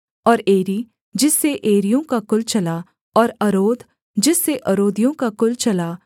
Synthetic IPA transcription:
ɔːɾeːɾi | d͡ʒɪsːeʔeːɾijõkakʊlt͡ʃɐla | ɔːɾɐɾoːd̪ | d͡ʒɪsːeʔɐɾoːd̪ijõkakʊlt͡ʃɐlaː

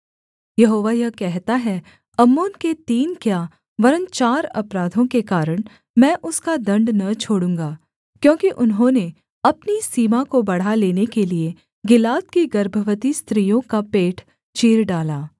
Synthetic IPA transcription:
jɐɦoːʋajɐkɛɦt̪aɦɛ | ɐmoːnket̪iːnkjaː | ʋɐɾənt͡ʃaːɾɐ̰pɾaːd̪ʱõkekaːɾəɽ̃ | mɛ̃ːʔʊskad̪ɐ̃ɳɖnɐt͡ʃʰoːɽũːŋɡaː | kjõːkiʔʊnɦõːne | ɐpnisiːmakobɐɽ̤aleːnekelie | ɡɪlaːt̪̚kiɡɐɾbʱəʋət̪ist̪ɾiːjõkapeːʈʰ | t͡ʃiːɾɖaːlaː

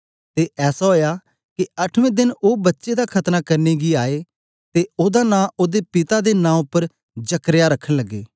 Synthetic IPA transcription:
t̪eʔɛːsaɦoːja | kiɐʈʰʋẽːd̪ɪnoːbɐtːʃed̪akʰɐt̪nakɐɾneɡiaːe | t̪eoːd̪anãːʔoːd̪epɪt̪ad̪enãːʊpːəɾ | d͡ʒɐkɾjaɾɐkʰːəɽ̃ləɡːḛː

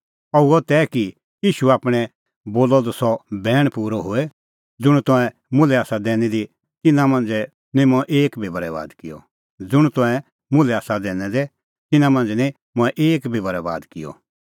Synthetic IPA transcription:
ɐuɔt̪ɛːki | jiːʃuaːpɽ̃ɛ | boːlɔd̪ɔsɔbɛːɽ̃puːɾɔɦoɛ | d͡zʊɽ̃t̪ɔ̃ɛ̃ | mʊ̃lɛaːsad̪ɛːñɛd̪i | t̪ɪnãmɐ̃nd͡zɛ | nĩmɔ̃ʔeːkbʱibɐɾɛʋa̰ːd̪kɪjɔ̰ | d͡zʊɽ̃t̪ɔ̃ɛ̃ | mʊ̃lɛaːsad̪ɛːnɛd̪ɛ | t̪ɪnãmɐ̃nd͡zɛnɛ̃ | mʊ̃ɛʔeːkbʱibəɾɛʋa̰ːd̪kɪjɔ̰

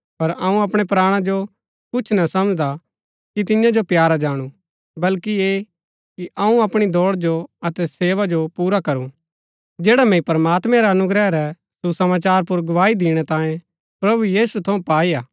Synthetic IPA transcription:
pɐɾɐũɐpɽ̃ɛpɾaːɽ̃ãd͡ʒo | kʊt͡ʃʰnɐsɐməd͡ʒd̪a | kit̪ɪjãd͡ʒopjaːɾad͡ʒaːɽ̃ũ | bɐlkie | kiʔɐũɐpɽ̃id̪ɔːɽd͡ʒoɐt̪ɛseːʋad͡ʒopuːɾakɐɾũ | d͡ʒɛːɽamɛ̃ĩpɐɾəmaːt̪mɛ̃ɾɛɐnʊɡɾɛɾɛ | susɐmaːt͡ʃaːɾp̬ʊɾɡɐʋaːid̪iːɽ̃ɛt̪ãːjẽ | pɾɐbujiːsut̪ʰɐũpaːiaː

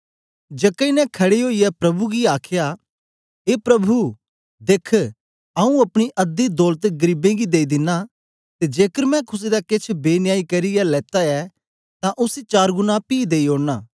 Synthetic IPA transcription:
d͡ʒeːkɐinɛ̃kʰɐɽeɦoːiɛpɾɐbuɡiaːkʰja | eːpɾɐbʱu | d̪eːkʰ | ɐũɐpɽ̃iʔɐd̪id̪ɔːlt̪ɡɐɾiːbẽɡid̪eːid̪ɪnːa | t̪ed͡ʒeːkəɾmɛ̃kʰʊs̬ed̪akɪt͡ʃʰbeːnɪjaːikɐɾijalɛːt̪aɛ | t̪ãʔʊset͡ʃaːɾɡʊnapiːd̪eːioːɽnaː

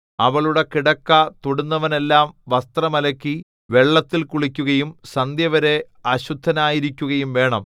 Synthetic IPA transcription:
ɐʋɐɭuɽe̞kiɽɐkːɐt̪oɽunːɐʋɐne̞lːaːmʋɐst̪rɐmɐlɐkʲːi | ʋe̞ɭːɐt̪ːilkuɭikʲːuɣɐjumsɐnd̪jɐʋɐɾe̞ | ɐɕud̪ʱːɐnaːjiɾikʲːuɣɐjumʋe̞ːɳɐm

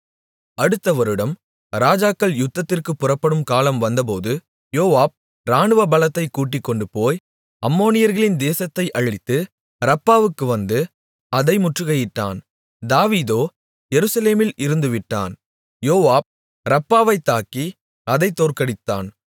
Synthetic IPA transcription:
ɐɽɯt̪ːɐʋɐɾɯɽɐm | ɾaːd͡ʒaːkːɐɭjʊt̪ːɐt̪ːɪrkɯpːʊrɐpːɐɽɯmkaːlɐmʋɐnd̪ɐpoːðɯ | joːʋaːb̚ | ɾaːɳɯʋɐbɐlɐt̪ːɐɪkːuːʈ̬ːɪkːɔɳɖɯpoːj | ɐmːoːnɪjɐɾɣɐɭɪnd̪eːsɐt̪ːɐɪʔɐɻɪt̪ːɯ | ɾɐpːaːʋɯkːɯʋɐnd̪ɯ | ɐðɐɪmʊʈrɯɣɐjɪʈːa̰ːn | d̪aːʋiːðoː | jɛɾɯsɐleːmɪlʔɪɾɯnd̪ɯʋɪʈːa̰ːn | joːʋaːb̚ | ɾɐpːaːʋɐɪt̪ːaːki | ɐðɐɪt̪ːoːrkɐɽɪt̪ːa̰ːn

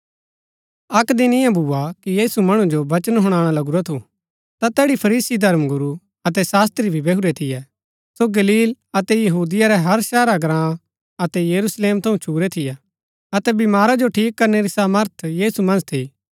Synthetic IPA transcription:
ɐkd̪ɪnɪjãbʱuːakijiːsumɐɽ̃ũd͡ʒobɐt͡ʃənɦʊɽ̃aːɽ̃alɐɡuɾat̪ʰu | t̪at̪ɛːɽipʰɐɾiːsid̪ʱɐɾmɡʊɾu | ɐt̪ɛsaːst̪ɾibʱibeɦuɾɛt̪ʰɪjɛ | soɡɐliːl | ɐt̪ɛjɐɦuːd̪ɪjaɾɛɦɐɾʃɛːɾaɡɾãː | ɐt̪ɛjɐɾusleːmt̪ʰɐũt͡ʃʰuːɾɛt̪ʰɪjɛ | ɐt̪ɛbɪmaːɾad͡ʒoʈʰiːkːɐɾneɾisaːməɾt̪ʰjiːsumɐ̃nd͡ʒt̪ʰi

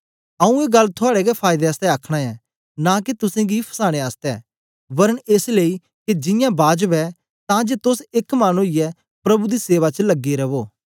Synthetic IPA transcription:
ɐũeːɡɐlːt̪ʰʊaːɽɛɡɛpʰaːɪd̪eəst̪ɛakʰɽ̃aɛ | nãːket̪ʊsẽɡipʰɐ̥saːɽ̃eaːst̪ɛː | bɐɾəɳeːsleːi | ked͡ʒɪ̃jãbaːd͡ʒəbɛ | t̪ãd͡ʒeːt̪ʊsɪkmaːnuijɛ | pɾɐbud̪iseːʋat͡ʃəlɐɡiɾɐʋoː

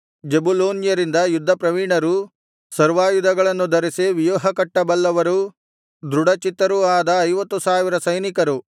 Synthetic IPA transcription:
d͡ʒebuloːnjɐɾind̪ɐjud̪ʱːɐpɾɐʋiɳɐɾu | sɐɾʋaːjud̪ʱɐɡɐɭɐnːud̪ʱɐɾiseʋijoːɦɐkɐʈːɐbɐlːɐʋɐɾu | d̪ɾuɽɐt͡ʃit̪ːɐɾuaːd̪ɐːjʋɐt̪ːusaːʋiɾɐsɐjnikɐɾu

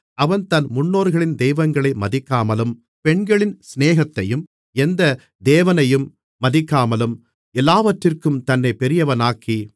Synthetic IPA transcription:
ʔɐʋɐnt̪ɐnmʊɳːoːɾɣɐɭɪnd̪ɛjʋɐŋɡɐɭɐɪmɐðɪkːaːmɐlɯm | pɛɳɡɐɭɪnsneːɣɐt̪ːɐjɯm | ɛnd̪ɐ | d̪eːʋɐnɐjɯmː | ɐðɪkːaːmɐlɯm | ɛlːaːʋɐʈrɪrkɯmt̪ɐnːɐɪpɛɾɪjɐʋɐnaːkːi

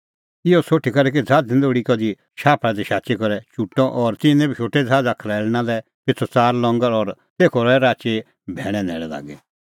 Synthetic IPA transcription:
ɪɔsoːʈʰːikɐɾɛk̬id͡zʱaːd͡zĩnd̪oːɽikɔd̪i | ʃaːpʰɽad̪iʃaːt͡ʃekɔɾɛt͡ʃuʈːɔ̃ʔɔɾt̪ɪnɛ̃bʱit͡ʃʰoːʈːɛd͡zʱaːd͡zakʰlɛːɭnalɛ | pɪt̪ʰɔt͡saːɾlɔ̃ŋɡəɾɔɾ | t̪eːkʰɔɾɔɛɾaːt͡ʃe | bʱɛːɽ̃ɛ̃nɛ̰ːɭɛla̰ːɡɛ

